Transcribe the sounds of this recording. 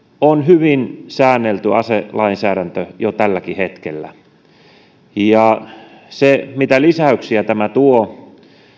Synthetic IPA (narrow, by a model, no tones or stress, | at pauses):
onhyʋinsæːnːelt̪yʔɑselɑinsæːɾænt̪øjot̪ælːækihet̪kḛlːæ̰ | jɑ | semit̪ælisæyksiæt̪æmæt̪uo